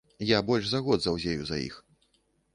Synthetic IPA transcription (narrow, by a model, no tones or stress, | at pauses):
jabɔlʲʂzaɣɔd̪zɐwzʲejuzajḭx